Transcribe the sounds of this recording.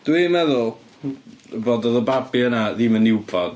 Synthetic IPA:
d̥wimɛðʊlˠ | əboːdɔðəbabiənaðimənɪwbɔd̥

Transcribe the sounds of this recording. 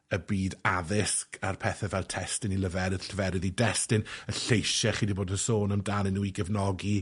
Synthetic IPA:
əbiːdaðɪskʰarpʰɛθɛvɛlˠtʰɛstɪniləvɛɾɪð̥ɬəvɛɾɪðidɛstɪnəɬejʃaχiːdiboːdəsoːnəmdanɪnuiɡəvnɔɡi

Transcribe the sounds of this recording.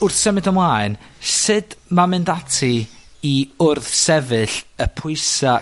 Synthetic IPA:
ʊrθsəmɨdəmlaɨn | sɨd̥mamɨndatʰiiʊrθsɛvɨɬəpʰʊɨsa

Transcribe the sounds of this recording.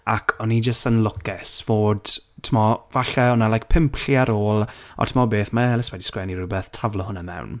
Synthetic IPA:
akʰɔnid͡ʒəstənlˠʊkʰɛsvoːd̥tʰɪmɔvaɬɛɔnalˠajk̚pʰɪmpʰɬjaɾoːlˠɔ̰tʰɪmɔbeːθmaɛlɪswɛdiskwɛniɾubɛθtʰavlˠɔhʊnamɛ̰wn

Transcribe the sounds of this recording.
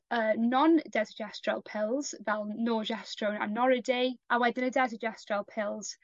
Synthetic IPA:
əːnɔndɛzɪd͡ʒɛstɹa̰lˠpʰɪlˠz̥vɛlˠnɔːʒɛstɹowna̰nɔɹɪdejʔawɛdɪnədɛzəd͡ʒɛstɹalˠpʰɪlˠz̥

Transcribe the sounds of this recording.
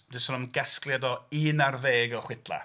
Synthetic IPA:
dɪsɔnɔmnɡɛsklˠjadɔiːnarveːɡɔχwɪdlˠa̰

